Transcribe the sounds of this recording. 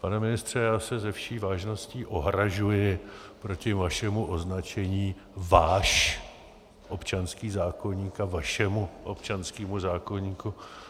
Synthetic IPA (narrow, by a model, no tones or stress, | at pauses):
panɛmɪnɪst̪r̝̥ɛjaːsɛzɛfʃiːvaːʒno̞sciːʔo̞ɦɾaʒujɪpɾo̞cɪvaʃɛmuʔo̞znat͡ʃɛɲiː | vaːʃ | ʔo̞pt͡ʃanskiːzaːko̞ɲiːkavaʃɛmuʔo̞̰pt͡ʃanskiːmuzaːko̞ɲiːku